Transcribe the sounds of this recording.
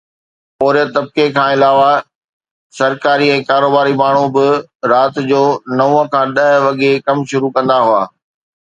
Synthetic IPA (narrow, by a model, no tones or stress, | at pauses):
poːɾijət̪ɐb̚kekʰãːɪlaːʋa | sɐɾkaːɾiɛ̃ːkaːɾoːbaːɾimaːɳ̤ubɪɾaːt̪d͡ʑoːnɐũə̃kʰãːɗɐɦʋɐɠekɐmʃʊɾukɐ̃nd̪aɦua̰ː